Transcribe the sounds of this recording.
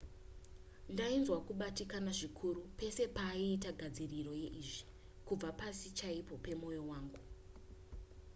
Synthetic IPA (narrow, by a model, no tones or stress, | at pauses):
ndainzwakuɓatikanaʐikʰuɾupe̞se̞paːiːtaɡʱad͡ziriro̞je̞ʔiʐi̥ | kub͡vapasit͡ʃaipo̞pe̞mo̞jo̞waːŋɡu